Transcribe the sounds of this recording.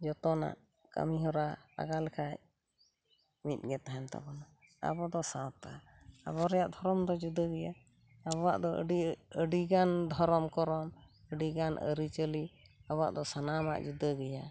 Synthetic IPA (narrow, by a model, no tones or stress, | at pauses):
d͡ʒɔt̪ɔna̰ʔ | kə̰miɦɔɾaa̰ɡalɛkʰaʔ | mit̪̚ɡɛt̪aɦɛnt̪a̰bɔna | a̰bɔd̪ɔsãt̪a | a̰βɔɾɛjaʔd̪ʱɔɾɔmd̪ɔd͡ʒud̪əɡɛjaː | bɔwa̰ʔd̪ɔə̰ɖiəɖiɡand̪ʱɔɾɔmkɔɾɔməɖiɡanʔə̰ɾit͡ʃəliabɔwa̰ʔd̪ɔsanama̰ʔd͡ʒud̪əɡɛja